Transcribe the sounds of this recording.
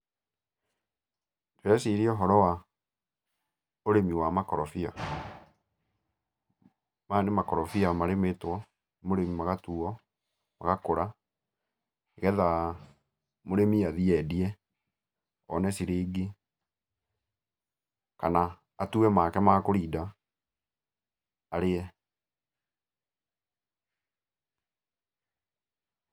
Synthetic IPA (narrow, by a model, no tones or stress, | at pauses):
teɾɛsiɾiɔɦɔɾɔwa | oɾemiwamakɔɾɔfia̰ | manemakɔɾɔfiamaɾemetwɔ | moɾemimaɣatuɔ | ma̰ɣakoɾa | eɣɛða | moɾemiaðiɛdiɛ | ɔ̰nɛsiɾeɡe | kanaː | tuɛmaːkɛmakoɾida | ɾeɛ